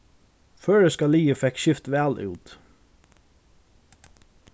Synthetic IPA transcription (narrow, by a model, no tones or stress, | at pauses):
føːɹɛskɑliːəfɛkʃɪft̪ʋæːlʔʉ̰ːt̪